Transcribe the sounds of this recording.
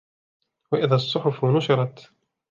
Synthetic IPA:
waʔɪðaːsˤːʊħʊfnʊʃɪɾˤɑt̪

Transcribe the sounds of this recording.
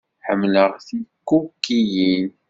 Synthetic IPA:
ħə̰mːləʁθikːukːijin

